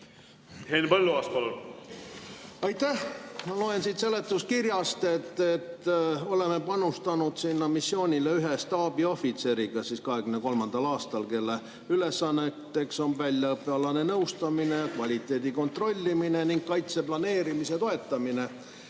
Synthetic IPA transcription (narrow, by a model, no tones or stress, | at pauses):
henpɤlːuɑːst̪pɑlul | ɑjt̪ːæhmɑlo̞ensit̪se̞lːe̞t̪ːˑus̚kirjɑst̪e̞t̪ːet̪ːo̞le̞me̞pɑnust̪ɑnud̪̥sinːɑmisːjo̞ːnʲile̞yɦest̪ɑːbio̞fit̪se̞ɾiɡ̥ɑsiːskɑɦe̞ɡ̥ymne̞ko̞lmɑnd̪̥ɑlɑːst̪ɑlke̞lːe | yle̞sɑnːet̪ːe̞kso̞nvælʲjɑɤpːˑeɑlɑne̞nɤwst̪ɑmine̞jɑkvɑlʲit̪ːˑe̞ːd̪̥iko̞nt̪ro̞lʲːimine̞niŋɡkɑjt̪se̞plɑne̞ːɾimise̞t̪o̞e̞t̪ˑːɑmine̞